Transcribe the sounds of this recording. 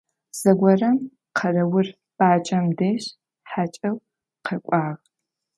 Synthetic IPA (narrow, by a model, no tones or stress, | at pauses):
z̥ɐɡʷɐrɐm | qʰɐrɐwʊr | b̥aːt͡ʃʼɐmdeːɕ | ħaːt͡ʃʼɐw | qʰɐkʷʼɑːʁ